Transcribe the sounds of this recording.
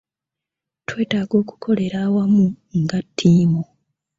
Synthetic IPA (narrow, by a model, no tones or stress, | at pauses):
twe̞ːtaːɡo̞ːku̥kʰo̞le̞ɾaːwamu | ŋɡatʰːiːmo